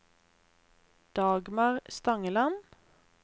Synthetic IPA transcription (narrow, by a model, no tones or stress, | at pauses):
d̪̥ɑːɡmɑʁst̪ɑŋəlɑn